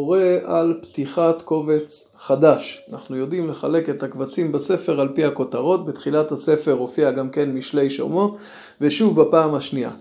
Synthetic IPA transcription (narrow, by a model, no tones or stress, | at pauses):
oʁe̞ʔalpt̪iχatko̞ve̞t͡s | χad̪aʃanaχnujo̞dimle̞χale̞ke̞t̪hakvat͡simbase̞fe̞ʁalpiako̞t̪aʁo̞t̪̚bet̪χilathase̞fe̞ʁho̞fiaɡamke̞nmiʃle̞jʃo̰mo̞ | veʃuvbapaːmhaʃnia̰